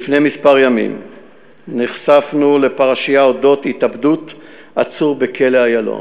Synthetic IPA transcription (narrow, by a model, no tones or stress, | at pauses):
fnemispaʁjamḭm | niχsafnule̞paʁaʃijaodotitabdut | ʔat͡suʁbe̞kʰe̞leajalo̰n